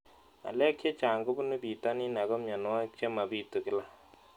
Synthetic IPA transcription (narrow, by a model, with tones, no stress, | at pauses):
a̰˨lɛ˦kʰːe˦t͡ʃa˨ŋɡo˦bu˦ne˦bi˨ta˦ni˦na˨kɔ˦mja˨n˨wa˦t͡ʃe˦ma˨biː˦tːo˨kɪ˦la˦